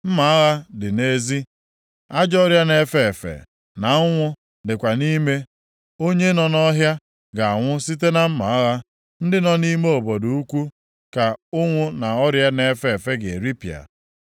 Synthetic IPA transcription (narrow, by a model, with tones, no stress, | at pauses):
m̩˦ma˨a˦ɣa˦dɪ˨ne˦zi˦ | a˦d͡ʒɔ˦ɾja˦ne˦fe˦˨e˨fḛ˨ | na˨ʊ˦ŋʷʊ˦ | dɪ˨kʷa˨ni˦me˦ | o˦ɲe˦nɔ˨nɔ˦ɦja˦ | ɡa˨a˨ŋʷʊ˦si˦t̬e˦na˦m̩˦ma̰˨a˦ɣa˦ | n̩˦dɪ˦nɔ˦ni˦me˦o˨bɔ˨du˨u˦kʷu˦ | ka˨ʊ˦ŋʷʊ˦na˨ɔ˦ɾja˦ne˨fe˦e˨fe˦ɡe˨e˨ɾi˦pja̰˨